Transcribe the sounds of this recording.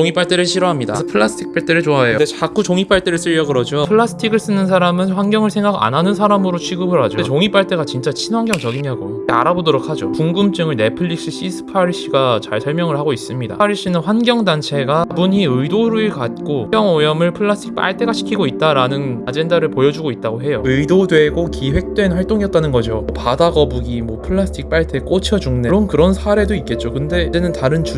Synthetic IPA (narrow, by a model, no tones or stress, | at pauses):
oŋip͈aɭt͈eɾɯɭɕʰiɾoɦamɲida̰sʰʌpʰɯɭːasʰɯ̥tʰik̚p͈aɭt͈e̞ɾɯɭt͡ɕoaejoet͡ɕak͈ʰut͡ɕoŋip͈aɭt͈e̞ɾɯɭs͈ɯʎːʌɡɯɾʌd͡ʑiopʰɯɭːasʰɯ̥tʰiɡɯɭs͈ɯnːɯns̬ʰaɾamɯnɸwanɡjʌŋɯɭsʰe̞ŋɡaɡa̰nɦanɯnsʰaɾamɯɾot͡ɕʰiɡɯbɯɾɦad͡ʑoet͡ɕoŋip͈aɭt͈eɡat͡ɕint͡ɕ͈at͡ɕʰinɦwaŋɡjʌŋt͡ɕʌɡimaɡo̰ea̰ɾabodʌɾok̚ʰad͡ʑopuŋɡɯmt͡ɕ͈ɯŋɯɭne̞pʰɯʎːiɕ͈iɕ͈isʰɯ̥pʰaɾiɕ͈ʰiɡat͡ɕa̰ɭsʰʌɭmjʌŋɯɭhaɡois͈ɯmɲida̰aɾiɕ͈ʰinɯnɸwanɡʲjʌŋdant͡ɕʰe̞ɡabuɲiɯidoɾuiɭkat̚k͈ojʌŋojʌmɯɭpʰɯɭːasʰɯtʰik̚p͈a̰ɭtʰe̞ɡaɕʰi̥kʰiɡoit̚t͈aɾanɯnad͡ʑe̞ndaɾɯɭpojʌd͡ʑuɡoit̚t͈aɡoɦe̞joɯidodwe̞ɡokiɸwe̞k̚t͈we̞nɸwaɭt͈oŋiʌt͈anɯnɡʌd͡ʑoʌpadaɡʌbuɡimwʌpʰɯɭːas͈ʰɯ̥tʰik̚p͈aɭtʰek͈ot͡ɕʰʌd͡ʑuŋneɾonkɯɾʌnsʰaɾe̞doik͈e̞t̚t͡ɕ͈okɯnde̞denɯntaɾɯnt͡ɕu